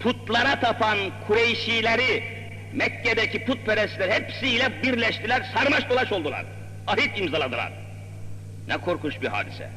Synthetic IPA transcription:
pʰut̪lˠaɾat̪ʰapʰankʰuɾejʃiːlʲeɾi | mɛcːed̪ɛcipʰut̪̚pʰeɾɛslʲɛɾihɛpsiːlʲɛbiɾlʲɛʃt̪ʰilʲæɾsaɾmaʃd̪olˠaʃo̞lˠd̪ulˠa̰ɾ | aɦit̪imzalˠad̪ɯlˠa̰ɾ | nɛkʰo̞ɾkʰuʃbiɦa̰ːd̪isɛ̰

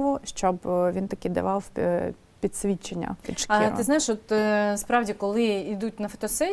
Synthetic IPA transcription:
ʋʊʃt͡ʃɔbʋʲint̪ɐkid̪ɐ̰ʋɑw | pʲit̪ʲsʲʋʲit͡ʃenʲːɐ̰pit͡ʃɐḭɪznajɪʃɔt̪spɾɑwdʲikɔlˠɪid̪ut̚ʲnɐfɔ̥t̪ɔsɛ

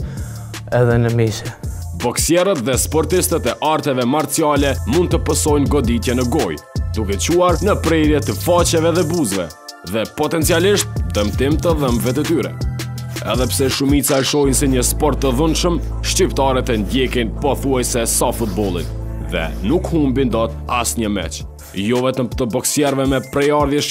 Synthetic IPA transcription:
ɛðɛnəmiʃɛ | bɔksjɛɾət̪ðɛspɔɾt̪ist̪ət̪ɛʔaɾt̪ɛvɛmaɾt͡sialɛmund̪̚t̪əpəsɔjnɡɔd̪it̪jɛnəɡɔjd̪ukɛt͡ɕuaɾnəpɾɛɾjɛt̪əfat͡ɕɛvɛðɛbuzvɛ̰ | ðɛpɔt̪ɛnt͡sialiʃt̪̚d̪əmt̪imt̪əðəmvɛt̪̬ət̪yɾɛ̰ | ɛ̰ðɛpsɛʃumit͡saɛʃɔjnsɛɲəspɔɾt̪ːəðənʃəm | ʃt͡ɕip̚t̪aɾɛt̪ɛnd̪jɛkinpɔθuajsɛsafut̪̚bɔlˠḭnðɛ̰nukhumbind̪ɔt̪a̰sɲəmɛ̰t͡ʃ | jɔvɛt̪əmt̪əbɔksjɛɾvɛmɛpɾɛjaɾðjɛʃ

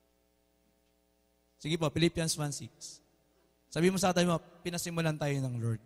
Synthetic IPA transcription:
sɪɡɪpopɪlipjɐnsvansiks | sɐbiːɪmosɐkɐt̪aːbɪmopɪnɐsɪmʊlant̪aːjonɐŋloɹd̪̚

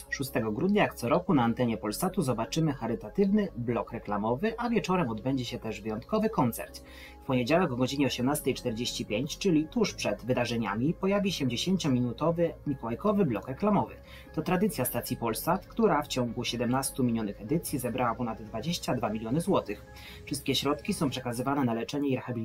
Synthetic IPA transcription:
ʂust̪ɛɡɔɡɾud̪̚ɲajakt̪sɔɾɔkunaːnt̪ɛɲɛpɔlst̪at̪uzɔbat͡ʂɘmɘxaɾɘt̪at̪ɘvnɘblɔkɾɛklamɔvɘʔavʲjɛt͡ʂɔɾɛmɔd̪bɛɲd͡ʑɛɕɛt̪ɛʐvɘjɔnt̪̚kɔvɘkɔnt̪sɛ̰ɾt̪ | fpɔɲed͡ʑawɛkɔɡɔd͡ʑiɲɛɔɕɛmnast̪ɛjt͡ʂt̪ɛɾd͡ʑeɕt͡ɕipʲjeɲt͡ɕt͡ʂɘlʲit̪uʂpʂɛd̪vɘd̪aʐɛɲa̰mʲipɔjavʲiɕɛd͡ʑeɕeɲt͡ɕɔmʲinut̪ɔvɘɲʲikɔwajkɔvɘblɔkɾɛklamɔvɘ̰ː | ɔt̪ɾad̪ɘt̪sʲjast̪at̪sʲipɔlsat̪kt̪uɾaft͡ɕɔŋ̃ɡuɕɛd̪ɛmnast̪umʲiɲɔnɘxɛd̪ɘt̪sʲjizɛbɾawapɔnad̪ːvad͡ʑeɕt͡ɕad̪vamʲilʲjɔnɘzwɔt̪ɘx | fʂɘst̪̚kʲɛɕɾɔt̪kʲisɔ̃w̃pʂɛkazɘvanɛnalɛt͡ʂɛɲɛiɾɛxabʲilʲ

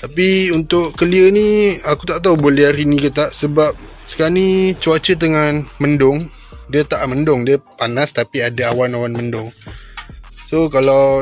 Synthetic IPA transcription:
t̪apiunt̪ʊʔkəliəniakut̪aʔt̪̬aubolɛhɾinĩkət̪aʔsəbap̚ | sə̥kanit͡ʃuat͡ʃət̪̬əŋanməndʊŋ | diət̪aʔməndʊŋdiəpanast̪apiadaawanawanməndʊŋ | sokalaw

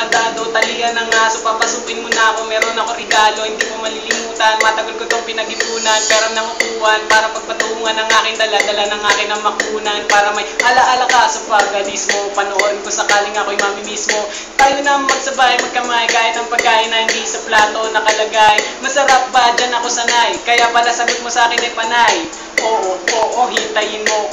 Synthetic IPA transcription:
ɐd̪aːd̪o̞t̪ɐlɪjɐnɐŋasopapɐsuːkɪnmonɐʔɐko̞mɛːɾo̞nɐko̞ɾɛɡaːlo̞hɪnd̪iːmomɐlɪlɪmuːt̪ɐnmɐt̪ɐɡɐlkot̪oŋpɪnɐɡɪbuːnɐnpɛːɾɐŋnɐkʊkuːhɐnpaːɾɐpɐɡ̚pɐt̪ʊhuːŋɐnɐŋʔaːkɪnd̪ɐlad̪ɐlanɐŋʔaːkɪnɐŋmɐɡuːnɐnpaːɾɐmɐjʔɐlaʔalɐkasopaɡɐnismopɐnoʔoːɾɪnkosɐkaːlɪŋɐko̞jmamɪmismo̞ | t̪aːjonɐmɐɡ̚sɐbaːhɐjmɐɡ̚kɐmaːʔɐjkaːʔɪnːɐŋpɐɡ̚kːaːʔɪnːɐhɪnd̪isɐplaːt̪o̞nɐkɐlɐɡajmɐsɐɾap̚bɐd͡ʒɐnɐko̞sɐnajkɐjapalasɐɡot̪̚mosɐʔaːkɪnːɐjpɐnaj | ʔoːʔoʔoːʔo̞ɦint̪ɐjɪnmo̞

